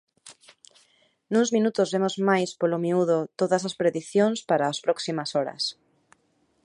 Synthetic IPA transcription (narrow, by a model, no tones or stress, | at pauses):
nũŋzmĩnut̪ʊzβemozmajspolomiuðot̪oðɐsaspɾeðiθjoŋspaɾaːspɾɔksimɐsɔɾɐ̰s